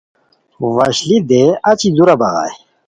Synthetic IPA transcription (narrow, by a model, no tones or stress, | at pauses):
wɐɕlid̪eɐt͡ɕid̪uɾabɐɣa̰ːj